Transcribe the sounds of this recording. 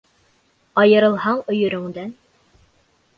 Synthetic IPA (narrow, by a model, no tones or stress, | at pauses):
ɑjɤ̆ɾɤ̆lˠɦɑɴŏjɵ̆ɾɵ̆ŋd̪æn